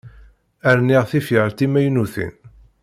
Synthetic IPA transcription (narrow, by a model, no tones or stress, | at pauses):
æɾnːiʁθifəʁəlt̪imæjnuθḭn